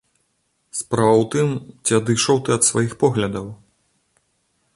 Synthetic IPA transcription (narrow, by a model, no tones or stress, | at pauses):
spɾavɐwt̪ɨmt͡sʲiɐd̪ɨʂɐwt̪ɨɐt̪svajixpɔɣlʲɐd̪ɐw